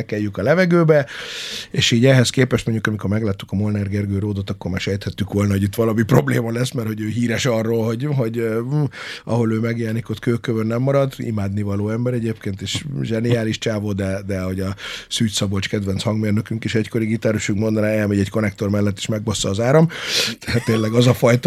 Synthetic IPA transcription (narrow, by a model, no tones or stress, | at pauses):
ɛkɛjykɒlɛvɛɡøːbɛ | eːʃiːɟɛɦɛskeːpɛʃt̪mo̞ɲɟukɒmiko̞ɾmɛɡlaːt̪ːykɒmolnɛrɡɛrɡøːɾoːd̪ot̪ɒkːo̞rmaːrʃɛjt̪hɛt̪ːykʋo̞lnɒɦo̞ɟit̪ʋɒlɒmipro̞bleːmɒlɛsmɛrho̞ɟøːɦiːɾɛʃɒrːoːlɦo̞ɟɦo̞ɟø | ɒ̰ɦo̞løːmɛɡjɛɛnikot̪køːkːøvønːɛmːɒɾɒd̪ḭmaːd̪nivɒloːɛmbɛɾɛɟeːp̚keːnt̪eːʃʒɛniaːliʃt͡ʃaːvoːd̪ɛd̪ɛho̞ɟɒsyːt̪sɒbot͡ʃkɛd̪ʋɛnshɒŋɡmeːrnøkyŋkeːʃɛcko̞ɾiɡit̪aːɾuʃyŋkmond̪ɒnaːɛlmɛɟɛcko̞nɛk̚t̪o̞rmɛlːɛt̪ːe̥ʃmɛɡ̚bɔsːɒːzaːɾɒmt̪ɛat̪ːeːnlɛɡɒzɒfɒjt̪